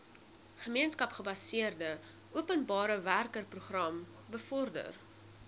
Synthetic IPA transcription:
χəmiənskɐpχəbɐsiərdə | ʔuəpənbɑːɾəværkərpruχrɐm | bəfɔrdə̰r

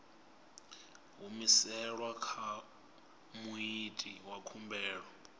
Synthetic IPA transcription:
ɦumisɛɺwakʰa | muitʼiwakʰumbɛːɺɔ

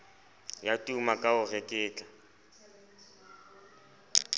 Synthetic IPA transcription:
jatʼumakʼaʊrɛkʼɪːt͡ɬʼa

